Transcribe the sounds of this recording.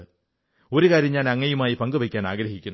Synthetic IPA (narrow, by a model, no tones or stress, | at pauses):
ɨ | o̞ɾukaːɾjɐmɲaːnɐŋːɐjumaːjipɐŋɡɨʋɐkʲːaːnaːɡɾɐɦikʲːunː